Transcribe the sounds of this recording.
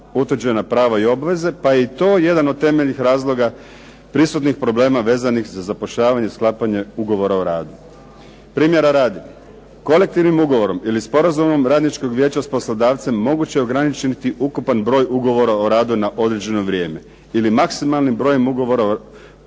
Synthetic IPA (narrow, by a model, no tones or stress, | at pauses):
ut̪ʋɾd͡ʑenapɾaːʋaio̞baʋe̞ze̞paje̞it̪o̞ːje̞d̪ano̞d̪̚t̪ːe̞me̞ʎnixɾaːzlˠo̞ɡa | pɾisut̪nixpɾo̞ble̞ːmaʋe̞ːzanixzazapo̞ʃʎaːʋaɲe̞sklˠapaɲe̞uɡo̞ʋo̞ɾaoɾaːd̪u | pɾiːmje̞ɾaɾaːd̪i | ko̞le̞k̚t̪iʋnimuɡo̞ʋo̞ɾo̞milispo̞ɾazumo̞mɾaːd̪nit͡ʃko̞ɡʋje̞ːt͡ɕaspo̞slˠod̪aːʋt̪se̞mːo̞ɡut͡ɕeo̞ɡɾanit͡ʃt̪iʔukupanbɾo̞ːjuɡo̞ʋo̞ɾaoɾaːd̪unaʔo̞d̪ɾe̞d͡ʑe̞no̞ʋɾʲje̞ːme̞ | ilimaksimalnimbɾo̞ːjemuɡo̞ʋo̞ɾa